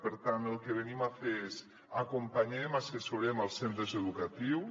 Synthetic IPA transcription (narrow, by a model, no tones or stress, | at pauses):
pəɾt̪anəlˠkeβ̞enimafeez | akumpaɲemasesuɾeməlˠsent̪ɾəzeðukat̪iw